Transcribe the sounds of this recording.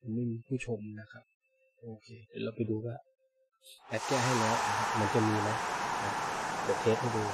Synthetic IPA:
ma˧nma˥˩jmiː˧pʰuː˥˩t͡ɕʰo˧mna˦˥kʰa˦˥p̚ | ʔoː˧kʰeː˧te˨˦la˧pa˧jduː˧kaː˥˩ | ʔɛː˦˥t̪̚kɛː˥˩ɦa˥˩jlɔ˦˥a˧˩kʰa˦˥p̚ma˧nt͡ɕa˨˩miː˧ma˦˥na˧˩lɔ˨˦˩eː˦˥t̚ha˥˩duː˧

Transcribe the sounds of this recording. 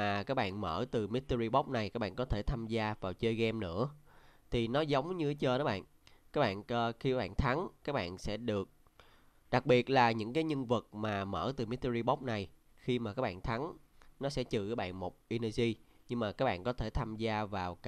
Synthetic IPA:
aː˨˩kaː˦˥k̚ɓa̰ː˧˨nməː˧˩t̪ɨ˨˩mi˦˥t̚t̪ə˧zi˧ɓɔ˦˥p̚na˨˩jkaː˦˥k̚ɓa̰ː˧˨˧kɔ˨˦t̪ʰe˧˩t̪ʰaː˧mzaː˧vaː˨˩wt͡ɕəː˧jɣɛ˧mnɨ̰˧˥ət̪ʰi˨˩nɔ˨˦zə˨˦wŋ͡mɲɨ˧˦t͡ɕəː˧ɔː˨˦˥ɓa̰ː˧˨n | kaː˦˥k̚ɓa̰ː˧˨n˧xi˧kaː˦˥ɓa̰ː˧˨nt̪ʰa˨˦ŋkaː˦˥k̚ɓa̰ː˧˨nsɛ̰˧˥ɗɨ˨˩ək̚ | ɗa˨˩k̚ɓi˨˩ət̚laː˨˩ɲɨ̰˧˥ŋkaː˨˦jɲɨ˧ŋvɨ˨˩t̚maː˨˩mə̰ː˧˩t̪ɨ˨˩mi˦˥t̚t̪ə˧i˧ɓɔ˦˥p̚na˨˩j | xi˧maː˨˩kaː˦˥k̚ɓa̰ː˧˨nt̪ʰa˨˦nnɔ˨˦sɛ̰˧˥t͡ɕɨ̰˨kaː˨˦˥ɓa̰ː˧˨nmo˨˩p̚ʔi˧nɛ˧zi˧ɲɨ˧ŋmaː˨˩kaː˦˥k̚ɓa̰ː˧˨nkɔ˨˦t̪ʰe˧˩t̪ʰaː˧mzaː˧vaː˨˩wk

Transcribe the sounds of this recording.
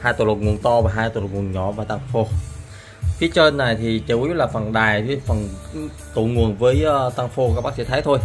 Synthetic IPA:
haː˧jt̪o̰˨˧˨lo˨˩ŋu˨˩nt̪ɔ˧vaː˨˩ɦaː˧jt̪o̰˧˨lo˨˩ŋu˨˩ə˩nɲɔ̰˧˩˦vaː˨˩t̪aː˧ŋfo˧˦ | fʰi˨˦ət͡ɕəː˧nːa˨˩jt̪ʰi˨˩t͡ɕə˨˩˨u˦˥t̚laː˨˩fə˨˩nɗaː˨˩ji˧fə˨˩n | t̪o̰ṵ˧˨ŋu˨˩ənvəː˨˦jʔːt̪aː˧ŋfo˧kaː˦˥ɓaː˦˥sḭ˧˨t̪ʰa˨˦jt̪ʰo˧j

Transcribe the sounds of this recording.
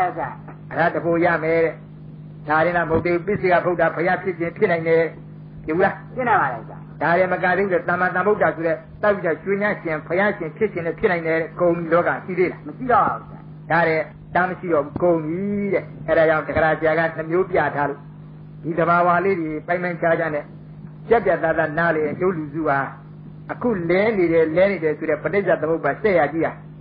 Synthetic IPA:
ɛja˦˨ | ə˨ɾa˦˨də˨bo˦˨ja̰˦˨mɛ˨˦ɾɛ˨ | da˨ɾɪ̃˨na˦˨mo˦˨t̪e˦˨u˦˨pɪ˦˨se˦˨ɡa̰˦˨bʰo˦ta˨pʰə˨ja˦pʰjɪ˦ʃʰɪ̃˨pʰjɪ˦ʔnã˨ɪ̃ndɛ˨ɛ | pjɪ˦˨u˦la˨ɪ̃˦nã˨mba˨ɛ˨sja̰˦˨d̥a˨ɾɛ˨mə˨kã˨d̪e˦˨u˦ɛ˨t̪ã˨mã˨t̪ã˨bo˦ʊta˨so˨ɾɛ˦˨ | t̪a˦˨pːi˦˨ɔ˦˨ʃwe˦ɲã˦˨ʃɪ̃˨pʰəja˦ʃɪ̃˨pʰjɪ˦ʔt͡ɕʰɪ̃˨nɛ˦˨pʰjɪ˦nã˨ɪ̃nɛ˨ɾɛ˦kõ˨ʊ̃mi˦˨lɔ˦ka˨ʃi˦˨d̪e˦˨la˨məʃi˦˨ɾɔ˦˨ba̰˨u˦sja̰˦˨ | d̥a˨ɾɛ˨ | ta˦məʃḭ˦ɾɔ˦˨bu˨˦kõ˨ʊ̃md̪i˨ɾɛ˦˨ʔɛ˦ɾa˨d͡ʑã̰˦˨də˨ɡə˨ɾa˨sɪja˨ɣa̰˦˨n̥ə˨mjo˦pja̰˦˨tʰa˦lo̰˦˨ | d̥i˨d̪ə˨βa˨wa˦le˦˨de˨pã˦ɪ̃mã˦ɪ̃t͡ɕʰa˦d͡ʑã˦˨nɛ˦˨ | pjɛ˦pja˦˨t̪ã˦˨t̪a˦˨na˦lɛ˨ɛ˨jo˦˨lu˨zṵ˦˨ha˨ | ʔəkʰṵ˦˨lɛ˦ne˨ɾɛ˨lɛ˦ne˨ɾɛ˨so˨ɾɛ˦˨pə˨te˦˨za˨t̪̬ə̃˨mo˦ʊpːa˨sɛ˦˨ja˨t͡ɕi˦˨a˨

